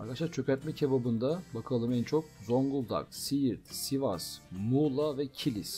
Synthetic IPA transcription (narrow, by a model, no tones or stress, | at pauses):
a̰ɾkʰadaʃaɾt͡ʃʰø̞cæt̪̚mɛcʰebabɯnd̪abakʰalˠɯmænt͡ʃʰo̞k̚zo̞ŋɡulˠd̪a̰ksijiɾt̪sivasmulˠavɛcʰilʲis